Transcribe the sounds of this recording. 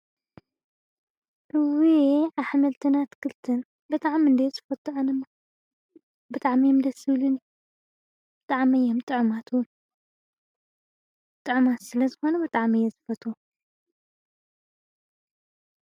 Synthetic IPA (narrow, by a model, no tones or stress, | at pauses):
ʔɨwiʕaβħmɐlt̪ʰɨnat̪kʰɨlt̪ʰɨn | bɨt̪ʼaʕmiɨnd̪ezɨfɐt̪ʼːuɐnɨma | bɨt̪ʼaʕmimd̪ɐsɨβlun | b̥ɨt̪ʼaʕmijːomt̪ʼɨʕmat̪ʰ | t̪ʼɨʕmat̪sɨlɐzɨxo̞nɐbɨt̪ʼaʕmijːɛzɨfɐt̪ʼu